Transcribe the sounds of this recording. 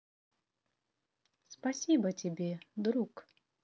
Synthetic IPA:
spɐsʲibətʲɪbʲed̪ɾuk

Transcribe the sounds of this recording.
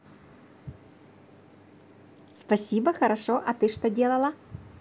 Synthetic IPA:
spɐsʲibəxɐɾɐʂoʔɐt̪ɨʂt̪odʲe̞lˠɐlˠɐ

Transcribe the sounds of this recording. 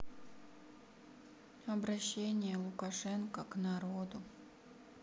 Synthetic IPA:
ɐbɾɐɕːenʲɪjəlˠukaʂɛnkəknaɾod̪u

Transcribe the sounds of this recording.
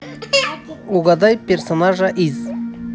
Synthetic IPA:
uɡɑd̪ɑjpʲersonaʒaʔiz

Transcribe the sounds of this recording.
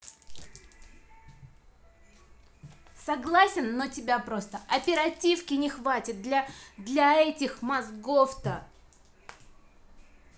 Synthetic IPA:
sɐɡlˠasʲɪnːotʲɪbʲapɾo̞st̪əʔɐpʲɪɾɐtʲifkʲɪnʲɪxvatʲɪt̪̚d̪lʲɐd̪lʲɐɛtʲɪxmɐzɡoft̪ə

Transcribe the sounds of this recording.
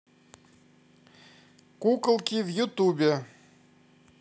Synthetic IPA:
kuklˠkʲivjut̪ubʲe

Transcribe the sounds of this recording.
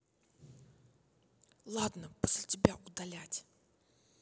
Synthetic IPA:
lˠad̪nəposʲlʲɪtʲɪbʲaʔʊd̪ɐlʲætʲ

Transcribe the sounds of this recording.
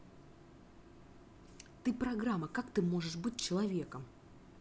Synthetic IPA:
t̪ɨpɾɐɡɾamːəkakt̪ɨmo̞ʐɨʂbɨt̚ʲt͡ɕɪlˠɐvʲe̞kəm

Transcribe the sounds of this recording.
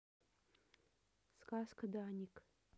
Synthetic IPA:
skaskʰɐdanʲikʼ

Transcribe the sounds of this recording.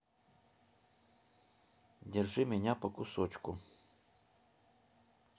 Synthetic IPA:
dʲɪrʐɨmʲɪnʲapɐkʊsot͡ɕkʊ

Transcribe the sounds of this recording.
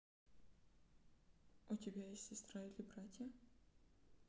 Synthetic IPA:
ut̪ʲɪbʲajesʲsʲɪst̪ɾailʲɪbratʲjɐ

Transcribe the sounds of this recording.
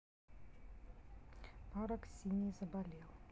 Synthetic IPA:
pɑɾə̆ksʲinʲizəbalʲelˠ

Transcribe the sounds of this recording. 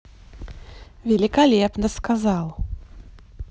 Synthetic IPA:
vʲɛlʲikalʲɛpnɐskazaw̪ˠ

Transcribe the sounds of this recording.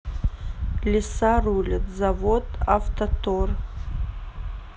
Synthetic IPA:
lʲɪsarulʲɨtzavodavtʰotʰor

